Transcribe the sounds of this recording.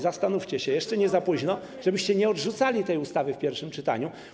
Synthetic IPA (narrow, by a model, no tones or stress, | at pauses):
zast̪anuft͡ɕɛɕɛjɛʂt͡ʂɛɲɛzapuʑnɔ | ʐ̥ɛbɘɕt͡ɕɛɲɛɔdʐut̪salʲit̪ɛjust̪avɘfpʲjɛɾfʂɘmt͡ʂɘt̪a̰ɲu